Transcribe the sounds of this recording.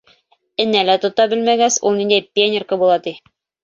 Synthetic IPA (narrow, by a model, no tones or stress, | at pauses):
ɘ̆nːælæt̪ŏt̪ɑbɘ̆lmæɡæsṵlˠnind̪æjpʲenʲɪrkɤbulˠɑt̪i